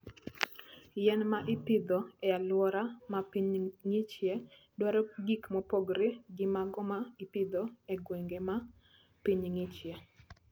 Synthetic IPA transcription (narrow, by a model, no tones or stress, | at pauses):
jɛnmaʔɪpɪd̪ɔɛalwɔɾamapiɲŋɪt͡ʃjɛ | dwaɾɔɡikmɔpoɡɾeɡɪmaɡɔmaipɪd̪ɔɛɡweŋɡema | piɲŋɪt͡ʃjɛ